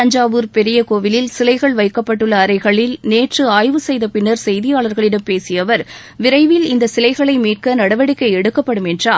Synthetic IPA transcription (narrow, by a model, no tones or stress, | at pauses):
ɐɲd͡ʒaːʋɯɾpɛɾɪjɐkoːʋɪlɪlsɪlɐɪɣɐɭʋɐɪkːɐpːɐʈːɯɭːɐːɾɐɪɣɐɭɪlneːʈrɯaːjʋɯsɛjðɐpɪnːɐɾsɛjðɪjaːɭɐɾɣɐɭɪɽɐmpeːsɪjɐʋɐɾ | ʋɪɾɐɪʋɪlɪnd̪ɐsɪlɐɪɣɐɭɐɪmiːrkɐnɐɽɐʋɐɽɪkːɐɪɛɽɯkːɐpːɐɽɯmɛndraː